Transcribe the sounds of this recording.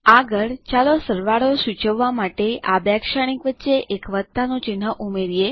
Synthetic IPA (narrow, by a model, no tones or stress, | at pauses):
aɡəɭt͡ʃalosəɾʋaɭosut͡ʃəʋːamaʈeabjakʃaɽ̃ikʋətːʃeʔekʋət̪ːanõt͡ʃɪnɦəʔumeɾije